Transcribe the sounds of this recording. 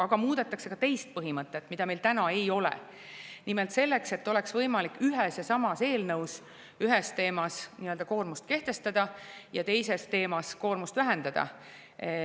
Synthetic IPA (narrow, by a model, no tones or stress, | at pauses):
ɑɡ̥ɑmuːd̪̥et̪ːˑɑkse̞kɑt̪e̞jst̪̚pɤɦimɤt̪ːˑet̪ːˑmid̪̥ɑme̞jlt̪ænɑe̞jo̞lḛ | nimelt̪se̞lːe̞kse̞t̪ːo̞lɛksvɤjmɑlikːyɦesjɑsɑmɑse̞ːlnɤws | yɦest̪e̞ːmɑsniøld̪̥ɑko̞ːrmust̪̚ke̞ht̪e̞st̪ɑd̪̥ɑjɑt̪e̞jse̞st̪e̞ːmɑsko̞ːrmust̪væɦe̞nd̪̥ɑd̪̥ɑ̰